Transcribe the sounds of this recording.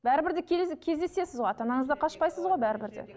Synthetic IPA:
bæɾɪbɪɾd̪ɪkʲʰekʲʰe̞zd̪ese̞sɪzʁojɑt̪ɑnɑɴəzd̪ɑqʰɑʃpɑjsəzʁojbæɾɪbɪɾd̪ḛ

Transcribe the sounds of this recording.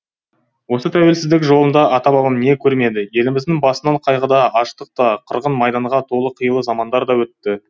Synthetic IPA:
wo̞sət̪ʰæwe̞lsɪzd̪ɪkʒo̞lˠənd̪ɑʔɑt̪ɑbɑbəmne̞kʲʰɵɾme̞d̪ɪje̞lɪmɪzd̪ɪŋbɑsənɑɴqʰɑjʁəd̪ɑɑʃt̪əq̚t̪ɑqʰəɾʁənmɑjd̪ɑɴʁɑt̪ʰo̞lˠəqʰəjəlˠəzɑmɑnd̪ɑɾd̪ɑwɵt̪ːɪ

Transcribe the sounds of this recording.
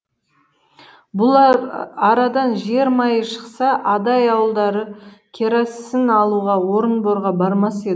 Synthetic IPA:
bʊlˠɑɾɑd̪ɑnʒe̞ɾmɑjəʃə̥qsɑʔɑd̪ɑjɑwəlˠd̪ɑɾəkʲʰeɾɑsənɑlˠuʁɑwo̞ɾənboɾʁɑbɑɾmɑse̞d̪

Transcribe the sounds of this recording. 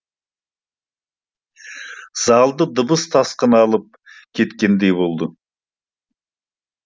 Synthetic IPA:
z̥ɑlˠd̪əd̪əbəst̪ʰɑsqənɑlˠəp̚kʲʰe̞t̪kʲe̞nd̪e̞jbo̞lˠd̪ə

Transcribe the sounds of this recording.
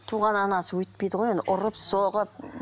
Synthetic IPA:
t̪ʰuʁɑnɑnɑsəwɵt̪̚pejd̪əʁojend̪ɪʔʊɾəpsoʁəp̚

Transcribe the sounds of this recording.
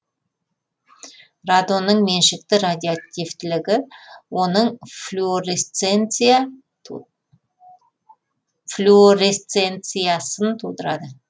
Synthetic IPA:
rad̪o̞nəɴme̞nʃɪk̚t̪ɪɾad̪ʲiat̪ʲijvt̪ɪlɪɡʲɪwo̞nəɴfuoɾest̪en | flʲuoɾest̪sent̪sɨjasənt̪ʰud̪əɾɑd̪ə

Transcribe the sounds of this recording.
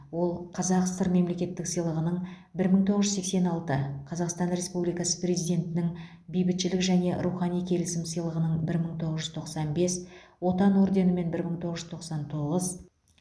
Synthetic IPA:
wo̞lˠqʰɑzɑqst̪əɾme̞mle̞kʲe̞t̪ːɪksəjlˠəʁənəɴ | bɪɾməɴt̪ʰoʁəʒʏzse̞kse̞nɑlˠt̪əqʰɑzɑqst̪ɑnɾe̞spublijkɑsəprʲe̞zijd̪ʲe̞nt̪ɪnɪŋ | bijbɪt̪ʃɪlɪkʒæne̞ɾuχɑnijkʲʰe̞lɪsɪmsəjlˠəʁənəɴbɪɾməɴt̪ʰo̞ʁəzʒʏzt̪ʰo̞qsɑnbe̞swo̞t̪ɑno̞ɾd̪e̞nəme̞nbɪɾməɴt̪ʰoʁəʒʏzt̪ʰoqsɑnt̪ʰo̞ʁəz

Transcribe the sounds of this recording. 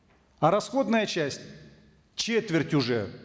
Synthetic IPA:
ɐɾɐsxo̞d̪nəjət͡ɕæsʲtʲ | t͡ɕet̪vʲɪrtʲʊʐɛ̰

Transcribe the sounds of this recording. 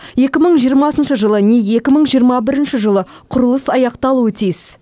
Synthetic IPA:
je̞kʲɪməɴʒijəɾmɑsənʃəʒəlˠəneje̞kʲɪməɴʒijəɾmɑbɪɾɪnʃɪʒəlˠə | qʰʊɾəlˠəsɑjɑqt̪ɑlˠuət̪ʰijs

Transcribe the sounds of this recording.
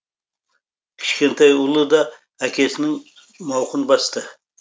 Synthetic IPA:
kʲʰɪ̥ʃkʲent̪ʰɑjʊlˠɨd̪ɑ | ækʲʰesnɪŋ | mɑwqɨnbɑst̪ɨ

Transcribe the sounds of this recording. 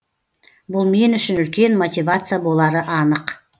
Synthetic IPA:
bʊlˠme̞nʏʃɪnʏlkʲe̞nmo̞t̪ʲivat̪sɨjabo̞lˠɑɾəʔɑnəq

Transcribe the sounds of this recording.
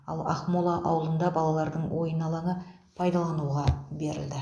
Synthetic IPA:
ɑ̰lˠɑ̰χmolˠɑʔɑwəlˠənd̪ɑbɑlˠɑlˠɑɾd̪əɴwʔo̞jənɑlˠɑɴə | pʰɑjd̪ɑlˠɑnuʁɑbe̞ɾɪ̰ld̪ɪ

